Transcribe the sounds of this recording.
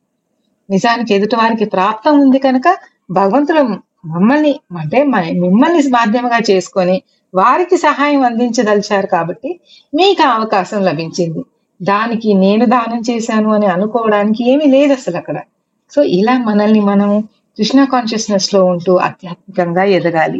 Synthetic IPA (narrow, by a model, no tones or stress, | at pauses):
nid͡ʒaːniked̪uʈɐʋaːɾik̬ipɾaːp̚t̪ɐmund̪iɡɐnukɐ | bʱɐɡɐʋɐnt̪ulɐm | mɐmːɐlniɐɳʈe̞ːmɐmimːɐlnimaːd̪ʱjɐmɐɡaːt͡ʃe̞ːsu̥koni | ʋaːɾikisɐɦaːjɐmɐnd̪iɲt͡ʃɐd̪ɐlt͡ʃaːɾukaːbɐʈːi | miːkɐɐʋɐkaːʃɐmlɐbʱiɲt͡ʃind̪i | d̪aːnikine̞ːnud̪aːnɐmt͡ʃeːʃaːnuɐniɐnukɔːʋɐɽaːnik̬ie̞ːmile̞ːd̪ɐsɐlɐkːɐɽɐ | so̞ːʔilaːmɐnɐlnimɐnɐm | kɾuʂɳakaːnʃɐsnɐslo̞ːuɳʈuːʔɐ̰t̪jaːt̪̚mikɐŋɡaːɛd̪ɐɡaːlḭ